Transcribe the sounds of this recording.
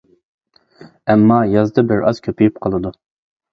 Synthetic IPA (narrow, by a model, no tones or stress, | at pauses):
ɛmːɑːjɑzd̪ɑbɪɾɑz̥kʲʰøpijypqʰəlˠɨd̪u